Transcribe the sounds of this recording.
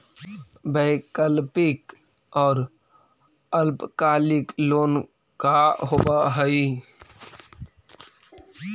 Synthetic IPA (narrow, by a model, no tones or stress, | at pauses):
bəɪkəlpɪk | ɔːɾ | əlpkaːlɪkloːn | kaɦobaɦəi